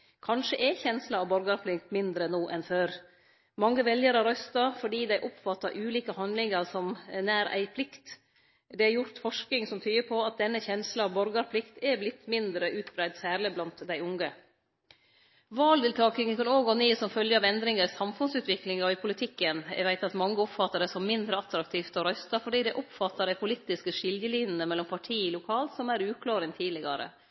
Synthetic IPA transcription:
kʰɑnʂəʔɛçɛnslɑɑʋbɔɾɡɑɾpʰlɪk̚t̪mɪnd̪ɾənuːʔɛnføːɾ | mɑŋːəʋɛljəɾəɾœst̪ɑfɔɖiːd̪æɪʔɔpfɑt̪ːɑʔʉːliːkəhɑnd̪lɪŋəɾsɔmnæːɾæ̰ɪpʰlɪkt̪ | d̪ɛæɾjʊɾt̪fɔʂknɪŋsɔmt̪ʰyːəpʰɔɑt̪̚d̪ɛnːəçɛnslɑɑʋbɔɾɡɑɾpʰlɪkt̪ɛblɪt̪mɪnd̪ɾəʔʉːt̪bɾæɪd̪sæːɾɭɪblɑnt̪d̪æɪʊŋɡə | ʋɑːld̪ɪlt̪ʰɑːkɪŋənkʰɑnoːɡoːneːsɔmfœljəɑʋɛnd̪ɾɪŋəɾsɑmfʉnsʉːt̪ʋɪklɪŋɑɪpʰʊlɪt̪ʰɪkːənæ̰ʋæɪt̪ɑt̪mɑŋːəɔpfɑt̪ːəɖɛsɔmːɪnd̪ɾəɑt̪ɾɑk̚t̪ʰiːft̪ɔɾœst̪ɑfɔɖiːd̪ɛʔɔpfɑt̪ːɑɾæɪpʰʊlit̪ɪskəʂɪljəliːnənəmɛlːɔmpʰɑʈʰiːɪlʊkʰɑːlt̪sɔmæɾʉːkʰlɑːɾɪŋt̪ʰiːlɪɡɑɾə̰

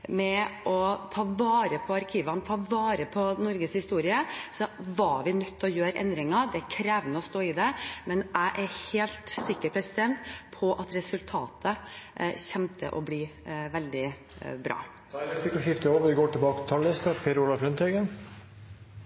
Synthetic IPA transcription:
mɛʔɔt̪ʰɑːʋɑːɾəpʰɔɑɾkʰiːʋɑnt̪ʰɑːʋɑːɾəpʰɔnɔɾɡəshɪst̪uːɾɪəsɔʋɑʋɪnœt̪ʰːɔjøːɾʔɛ̰nd̪ɾɪŋɑd̪ɛæɾkʰɾeːʋnəɔst̪oːɪd̪ɛmɛnæɪʔæɾheːlt̪sɪkːəɾpʰɾɛsɪd̪ɛnt̪pʰɔʔɑt̪ɾɛsʉlt̪ʰɑ̰ːt̪ʰəɕɛmt̪ʰə̰ʔɔ̰bliːʋɛld̪ɪ | bɾɑ̰ː | ɛt̪ɪkːɔʂɪft̪əoːʋʋɪɡoːʈɪlbɑːkət̪ʰɑlːɪst̪əpʰeːɾulɑfɾœnt̪ʰɛɡən

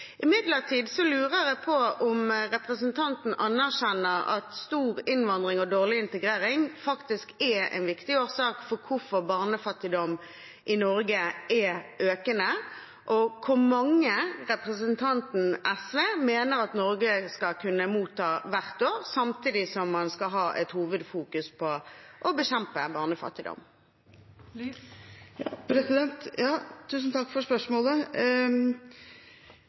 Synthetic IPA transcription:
ʔɪmɪd̪ləʁt̪ʰiːd̪sɔlʉːʁəɾɛpʰɔʊmʁɛpʁəsənt̪ʰɑnt̪n̩ʔɑnːæʁʃɛnːəɾɑ̰t̪st̪uːʁɪnʋɑnd̪ʁɪŋɔd̪oːʁlɪɪnt̪əɡʁeːɾɪŋfɑkt̪ɪskɛɛ̰ɪnʋɪkt̪ɪoːʁsɑːkfɔɾkʰʊfɔʁbɑːʁnəfɑt̪ːɪd̪ɔm | ʔɪnɔɾɡəʔɛʔøːkənə | ʔɔkʰʊɾmɑŋːəʁɛpʁəsənt̪ʰɑnt̪n̩ɛsʋeːmeːnəʁɑt̪nɔɾɡəskɑkʰʉnːəmuːt̪ʰːɑːʋæʁt̪oːʁsɑmt̪ʰiːd̪ɪsɔmːɑnskɑɦɑːʔɛt̪huːʋəd̪fuːkʉspʰɔʔɔbəɕɛmpəbɑʁnəfɑ̰t̪ːɪd̪ɔ̰m | pɾɛsɪɛnt̪jɑːt̪ʰʉːsn̩t̪ʰɑkːfɔʂpœʂmoːlə

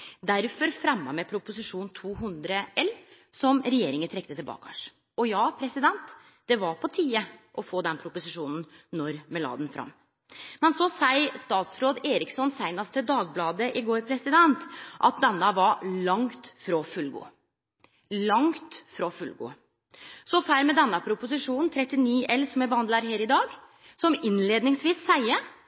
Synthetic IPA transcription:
d̪æɾfɔɾfɾɛmːɑmɛpʰɾʊpʊsɪʂuːnt̪ʰuːɦʉnd̪ɾəɛlsɔmɾɛjeːɾɪŋənt̪ʰɾɛk̚t̪ət̪ɪlbɑ̰ːkɑ̰ʂ | ɔjɑːpʰɾɛsɪd̪ɛnt̪ | d̪̥ɛʋɑɾpʰɔt̪ʰiːəʔɔfoːd̪ɛnpʰɾʊpʊsɪʂuːnn̩nɔɾmɛlɑ̰ːd̪nfɾʔɑ̰mː | mɛnsɔsæɪst̪ɑːt̪sɾoːd̪eːɾɪksɔnsæɪnɑst̪əd̪ɑːɡ̚blɑːd̪əʔɪɡoːɾpʰɾɛsɪd̪ɛnt̪ʔɑ̰t̪̚d̪ɛnːəʋɑɭɑŋt̪fɾɔfʉlɡṵː | lɑŋt̪fɾɔfʉlɡṵː | sɔfæɾmɛd̪ɛnːəpʰɾʊpʊs̬ɪʂuːnn̩t̪ʰɾɛt̪ːɪniːʔɛlsɔmæbəhɑnd̪læːɾheːɾɪd̪ɑːɡ | sɔmɪnleːd̪nɪŋsʋiːsːæɪə

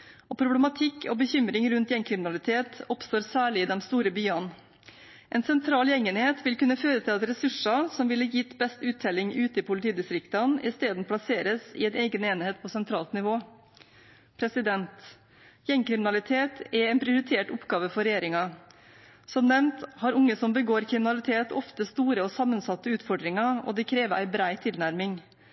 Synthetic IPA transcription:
ɔpʰɾʊblɛmɑt̪ʰɪkːʰɔbəçʏmɾɪŋɾʉnt̪jɛŋkʰɾɪmɪnɑlɪt̪ʰeːt̪ɔpst̪oːɾsæːɭɪɪd̪ɛmst̪uːɾəbyːɑn | ʔɛnsɛnt̪ʰɾɑːljɛŋənheːt̪ʋɪlkʉnːəføːɾət̪ʰɪlɑt̪ɾɛsʉʂɑsɔmʋɪlːəjɪt̪ːbɛst̪ʉːt̪ʰːɛlɪŋʉːt̪əɪpʰʊlɪt̪ʰiːd̪ɪst̪ɾɪkt̪ɑnɪst̪eːd̪n̩pʰlɑseːɾəsɪ̰ɛneːɡəneːnɪheːt̪̚pʰoːsɛnt̪ʰɾɑːlt̪nɪʋoː | pʰɾɛsɪd̪ɛnt̪ | jɛŋkɾɪmɪnɑlɪt̪ʰeːt̪ɛɛnpʰɾɪʊɾɪt̪ʰeːʈʊpɡɑːʋəfɔɾɛjeːɾɪŋɑ | sɔmnɛʋnt̪hɑɾʊŋːəsɔmbəɡoːɾkʰɾɪmɪnɑlɪt̪ʰeːt̪ʰɔft̪əst̪uːɾəɔsɑmːənsɑt̪ːəʉːt̪fɔɖɾɪŋɑɔ̰d̪ɛkʰɾeːʋəʔæ̰ɪbɾæɪt̪ʰɪlnæɾmɪŋ

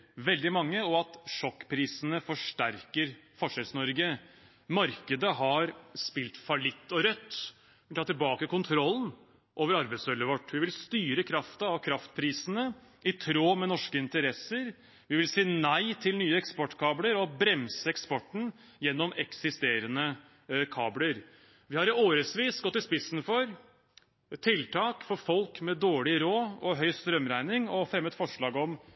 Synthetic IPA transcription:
ʋɛld̪ɪmɑŋːəɔɑt̪ʂɔkːpʰɾiːsənəfɔʂʈæɾkəɾfɔʂɛlsnɔɾɡə | mɑɾkəd̪əɦɑɾspɪlt̪fɑlɪt̪ːɔɾœt̪ː | ɪt̪ʰɑːt̪ɪlbɑːkəkʊnt̪ʰɾɔlːn | ʔoːʋəɾɑɾbəɪt̪sœlːəʋɔʈːʋɪʋɪlst̪yːɾəkʰɾɑft̪ɑɑʋkʰɾɑft̪̚pʰɾiːsənə | ɪt̪ʰɾoːmɛnɔʂkəɪnt̪əɾɛsəɾ | ʋɪʋɪlsiːnæɪt̪ʰɪlnyːəɛkspɔʈːkʰɑːbləɾɔbɾɛmsəɛkspɔʈːɳ̩ | jɛnːɔmɛksɪst̪eːɾənə | kʰɑːbləɾ | ʋɪhɑɾoːɾəsʋiːsɡɔt̪ːɪspɪsn̩fɔɾ | t̪ʰɪlt̪ʰɑːkfɔɾfɔlkmɛd̪oːɭɪɾoːɔɦœʏst̪ɾœmɾæɪnɪŋɔfɾɛmːət̪fɔʂɭɑːɡɔm

